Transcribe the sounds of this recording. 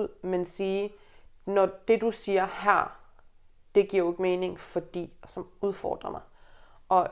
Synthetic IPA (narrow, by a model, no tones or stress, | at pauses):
ð̰ˠmensiː | nɒd̥e̝d̥usiːɐhæɐ̰ | d̥e̝ɡ̥ḭɐ̰je̝ɡ̥me̝ːne̝ŋfɒ̽d̥ḭːsɒmuð̞ˠfɒ̰ːd̥ʁɐmɑ̈ɪ | ʔɒ̽